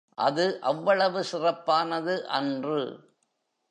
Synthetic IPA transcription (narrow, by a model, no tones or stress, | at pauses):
ʔɐðɯʔɐʋːɐɭɐʋɯsɪrɐpːaːnɐðɯʔɐndrɯ̰